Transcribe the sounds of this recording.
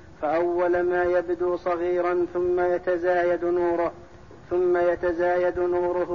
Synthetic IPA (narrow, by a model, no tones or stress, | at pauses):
faʔawːalmaːjabd̪uːsˤɑɣiːɾɑnθʊmːajat̪azaːjad̪nuːɾ | θʊmːajat̪azaːjad̪nuːɾʊɦ